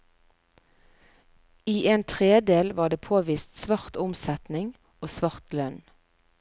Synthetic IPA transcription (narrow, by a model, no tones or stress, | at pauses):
iːʔeːnt̪ʰʁeːd̪eːlʋɑːɖ̪eːpʰoːʋiːst̪sʋɑʁt̪ʊmsɛt̪nɪŋ | oːsʋɑʁt̪lœn